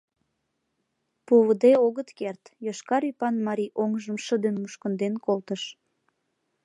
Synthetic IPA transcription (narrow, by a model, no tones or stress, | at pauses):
puβəd̪eoɣət̪kert̪joʃkɑɾypɑnmɑɾʲiʔoŋʒəmʃəd̪enmuʃkənd̪enkolt̪əʃ